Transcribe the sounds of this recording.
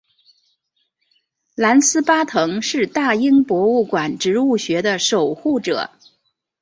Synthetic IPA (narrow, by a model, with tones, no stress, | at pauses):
la˧˥nsɹ̩˥pa˥t̪ʰɤ˧˥ŋʂɻ̩˥˧t̪a˥˩i˥ŋpwɔ˧˥u˥˩kwa˨˩nʈ͡ʂɻ̩˧˥u˥˩ɕɥɛ˧˥d̪ə˧ʂo˨˩ʊxu˥˩ʈ͡ʂɤ̰˨˩˦